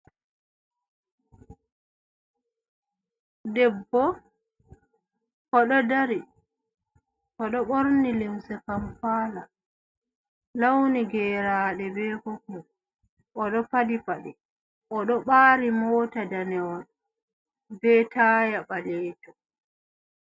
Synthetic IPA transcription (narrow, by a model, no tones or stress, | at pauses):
dɛbːɔ | kɔɗɔdaɾi | kɔɗɔɓoɾnilimsɛkampaːla | lawniɡɛːɾaːɗɛbɛkɔku | ʔɔɗɔpadipaɗɛ | ʔɔɗɔɓaːɾimɔːtadanɛɔn | bɛtaːjaɓalɛːtɔ